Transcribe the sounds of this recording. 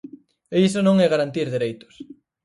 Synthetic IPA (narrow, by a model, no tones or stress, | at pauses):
eisonõŋɛɣaɾant̪iɾðeɾejt̪ʊ̥s